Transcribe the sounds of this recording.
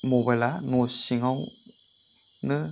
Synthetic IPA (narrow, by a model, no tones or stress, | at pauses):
mobalanosiŋaw | nɯ